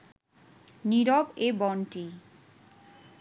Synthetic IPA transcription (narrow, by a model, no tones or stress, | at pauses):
niɾɔbebɔɳʈi